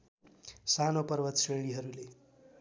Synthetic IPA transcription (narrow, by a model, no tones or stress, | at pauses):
sanopəɾʋət̪seɭiɦʌɾule